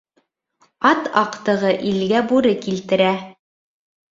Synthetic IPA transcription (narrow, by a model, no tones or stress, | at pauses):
ɑt̪ɑqt̪ɤ̆ʁɤʔilɡæbuɾɘkilt̪ɘ̆ɾæ